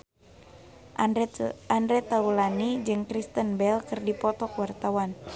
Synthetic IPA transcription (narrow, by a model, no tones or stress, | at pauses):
andɾɛt̪aulanid͡ʒɨŋkɾist̪ənbɛlkɨrdipɔt̪ɔkwart̪awan